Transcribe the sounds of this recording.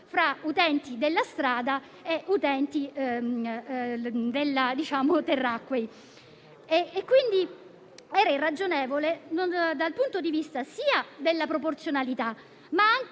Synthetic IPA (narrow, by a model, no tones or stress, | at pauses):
fɾaut̪ɛnt̪id̪elːast̪ɾaːd̪a | eʔut̪ɛnt̪i | d̪elːad̪it͡ʃaːmot̪erːakːwej | kːwind̪i | ɛːɾairːad͡ʒonɛːvolenond̪alpunt̪od̪ivist̪asiːad̪elːapɾoport̪sjonalit̪a | maaŋk